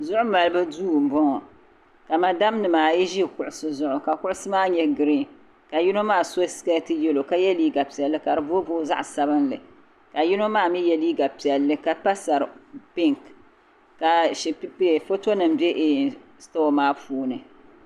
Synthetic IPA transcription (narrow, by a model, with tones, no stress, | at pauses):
zʊ˦ʔʊ˦ma˨lɨ˦ba˦duː˦˨m̩˨bɔ˦ŋɔ˨ | ka˨ma˨da˦mnɨ˨maː˨ji˦ʒi˦˨kʊ˨ʔʊ˨sɨ˦zʊ˦ʔʊ˨ka˨kʊ˦ʔʊ˦sɨ˦maː˦ɲɛ˦ɡɨ˨ɾi˦ | ka˨ji˦no˦maː˦˨so˦ska˦tɨ˦jɛ˦lo˨ka˦jɛ˦liː˦ɡa˨pi˨ɛ˨lːɨ˦ka˨ɾɨ˨bo˦boː˦za̰˦ʔsa˦bɨ˦nlɨ̰˨ | ka˨ji˦no˦maː˦˨mi˦jɛ˦liː˦ɡa˨pi˨ɛ˨lːɨ˦ka˨pa˦sa˨ɾɨ˨pɪ˦ŋk | ka˨ʃi˨ppfo˦to˦nɨ˨m̩˦bɛ˦ʔe˨sto˦maː˦puː˦nɨ˨